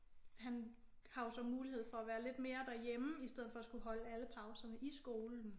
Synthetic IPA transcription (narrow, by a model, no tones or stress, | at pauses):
hæn | hɑ̈o̝sɒ̽muːlihe̝ð̞̰ˠfɒ̽æʋæːɐle̝d̥me̝ːɐd̥æɐjeməisd̥eð̞̰̩ˠfɒ̽æsɡ̥uhɒ̽ləæləpʰɑ̈ʊsɐnəʔisɡ̥o̝ːln̩